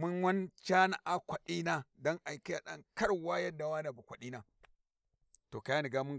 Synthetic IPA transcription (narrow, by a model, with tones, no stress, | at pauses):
mʊ˦nwɐ˦nt͡ʃaː˦na˨ʔa˦kʷɐ˨ɗiː˦naː˦dɔ˦ŋʔa˨jka˦ja˨ɗɐ̰˦ŋkɐ˦ɽwaː˦jɐ˦dːa˨waː˦na˨bu˨kʷɐ˨ɗiː˦naː˦ | toː˨ka˨ja˦ni˨ɡaː˦mʊ˦ŋ